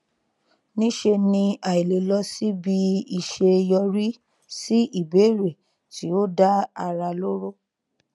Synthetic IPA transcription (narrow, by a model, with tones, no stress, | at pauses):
nĩ˦ʃe˧nĩ˧a˨i˨le˨˦lɔ˧si˦bi˧˦i˨ʃe˧jɔ˧ɾi˦ | si˦i˦˨be˨˦ɾe˨ | ti˨˦o˦da˦a˧ɾa˧lo˦ɾo˦